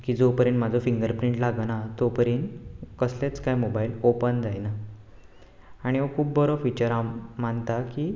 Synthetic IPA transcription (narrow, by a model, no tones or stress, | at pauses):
kiːd͡zopəɾiɳʈmad͡zʱofiŋɡəɾpɾiɳʈlaɡnat̪opəɾiɳkəslet͡skajmobailopənd͡zajna | aɽ̃iokʰuːbːəɾofit͡ɕəɾamaɳt̪akiː